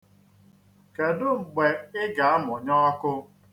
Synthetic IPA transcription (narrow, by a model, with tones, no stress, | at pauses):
ke˨dʊ˦ŋ͡m̩˨ɡ͡be˨ɪ˦ɡa˨a˦m˨ʊ˨ɲɔ˦a˦kʊ˦